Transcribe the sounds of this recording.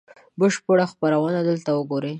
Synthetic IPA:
bəʃpəɽaxpaɾawənad̪əlt̪awəɡoɾe

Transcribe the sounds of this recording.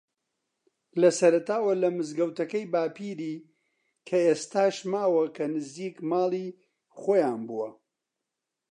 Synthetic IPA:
lɐsɐɾɐt̪aːwɐlɐmɨzɡɐwt̪ɐkɐjbaːpʰiːɾiː | kʰɐeːst̪aːʃmaːwɐkʰɐnɨziːkmaːlˠiː | χoːjaːnbuwɐ

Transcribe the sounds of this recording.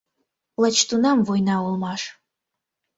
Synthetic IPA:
lət͡ɕt̪unɑmvojnɑulˠmɑʃ

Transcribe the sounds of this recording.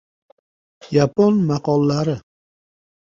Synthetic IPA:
japonmaqɒlˠːaɾɪ

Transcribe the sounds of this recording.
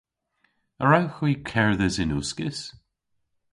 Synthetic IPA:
əɹawxwiːkʰɛɹðəsɪnuskɪs

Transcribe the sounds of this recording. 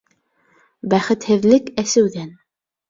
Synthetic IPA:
bæχɘ̆t̪hɘ̆ðlɘkæsɘ̆wðæn

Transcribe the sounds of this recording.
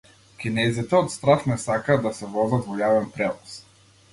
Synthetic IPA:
kʲinɛzit̪ɛɔt̪st̪ɾafnɛsakad̪asɛvɔzat̪vɔjavɛnpɾɛvˠɔs

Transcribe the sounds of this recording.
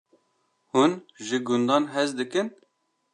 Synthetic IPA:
hunʒɨɡʊnd̪ɑːnɦɛzd̪ɨkɨn

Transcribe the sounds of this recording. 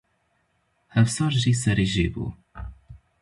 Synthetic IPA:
hævsˤɑɾˤʒisæɾiʒibṵ

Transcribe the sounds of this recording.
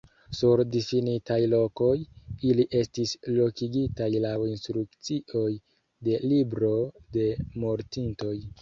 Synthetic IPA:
suɾdifinitajlo̞ko̞jiliʔe̞stislo̞kiɡitajlawinstɾukt͡siʔo̞j | de̞libɾo̞de̞mo̞ɾtinto̞j

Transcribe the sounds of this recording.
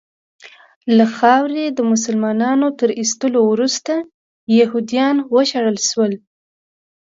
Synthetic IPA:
laxɑwɾed̪əmʊs̬əlmɑnɑnot̪əɾist̪əlowɾust̪a | jahud̪ijɑnwəʃaɽəlʃwəl

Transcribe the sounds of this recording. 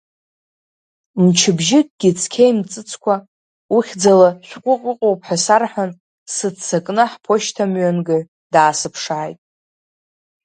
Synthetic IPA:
mt͡ʃʰɪbʒɪk̚ʼɡ̥ʲit͡sʰkʲʰejmt͡sʼɨt͡sʰkʷʰa | uχʲd͡zalaʃʷᶣqʷʼʊqʼəqʼowpʰʼħasarħʷᶣan | sɨdt͡sʰːakʼnɨħpʰo̞ʃtʰamɥanɡɨ | d̥aːsɨpʰʂaːjtʼ

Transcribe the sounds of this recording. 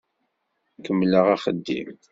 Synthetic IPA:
kəmːləʁaχəd̪ːḭm

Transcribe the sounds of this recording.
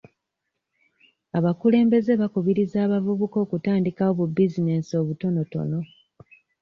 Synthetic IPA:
aβakule̞ːmbe̞ze̞βakuβiɾizaːβavuβuko̞ːkutaːndikawoβubizine̞sio̞βuto̞no̞to̞̰no̞

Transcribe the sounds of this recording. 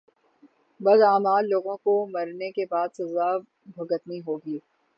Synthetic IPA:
bɐzaːmaːlloːɡõkomɐɾnekebaːd̪sɐza | bʱɐɡət̪niɦoːɡiː

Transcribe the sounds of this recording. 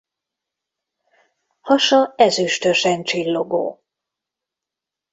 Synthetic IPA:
hɒʃɒɛzyʃt̪øʃɛnt͡ʃilːo̞ɡo̰ː

